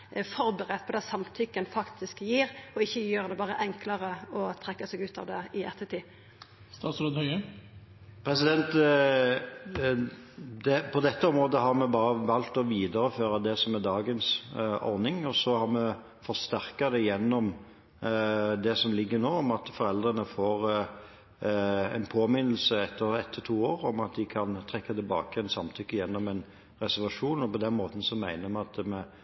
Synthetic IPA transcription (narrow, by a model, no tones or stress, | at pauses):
fɔɾbəʁɛt̪̚pʰɔd̪ɛsɑmt̪ʰʏkːənfɑkt̪ʰɪskjiːɾɔɪçːəjøːʁd̪ɛbɑːɾəʔɛŋkləɾəɔt̪ʰɾɛkːəsɛːɡʉːt̪ɑ̰ʋd̪ɛɪʔɛ̰t̪ːət̪ʰiː | st̪ɑːt̪sɾoːd̪hœʏə | pʰɾɛsɪd̪ɛnt̪ | d̪ɛpʰɔd̪ɛt̪ːəɔmɾoːd̪əɦɑɾmɛbɑːɾəʋɑlt̪ɔʋiːd̪əɾəføːɾɑd̪ɛsɔmæd̪ɑːɡənsɔ̰ɾnɪŋɔsɔhɑɾmɛ | fɔɾst̪æʁkɑd̪ɛjɛnːɔm | d̪ɛsɔmlɪɡːəɾnoːɔmɑt̪fɔɾɛld̪ʁənəfoːʁ | ɛ̰npʰoːmɪnəl̩səɛt̪ʰːəɾɛt̪ʰːət̪ʰuːoːʁɔmɑt̪̚d̪ɪkʰɑnt̪ʰʁɛkːɑt̪ɪlbɑ̰ːkəɛnsɑmt̪ʰʏkːəjɛnːɔmɛn | ʁɛsæʁʋɑʂuːnɔpɔd̪ɛnmoːt̪n̩sɔmæɪnəmɛɑt̪mɛ